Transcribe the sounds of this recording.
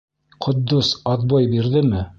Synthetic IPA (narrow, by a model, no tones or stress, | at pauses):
qʰŏt̪ːosɑt̪̚bɑjbiɾðɘmɘ